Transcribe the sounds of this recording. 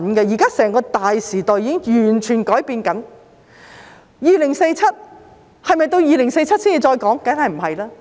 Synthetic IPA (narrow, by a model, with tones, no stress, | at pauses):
nkɛ˧jiː˨˩kaː˥sɛː˨˩ŋkɔː˧t̪aː˨jsiː˨˩t̪ɔː˨˧jiː˧˥ɪ˥ŋjyː˨˩nt͡ʃʰyː˨˩nkɔː˨˥jpiː˧nkɐ˨˥n | jiː˨lɪ˨˩ŋse˧jt͡sʰɐ˥t̚ | hɐ˨jmɐ˨˧jt̪o˧wjiː˨lɪ˨˩ŋse˧jt͡sʰɐ˥t̚siː˥i˨˩t͡ʃɔː˧jkɔː˨˥ŋkaː˨˥hɐ˨jm̩˨˩hɐ˨jlaː˥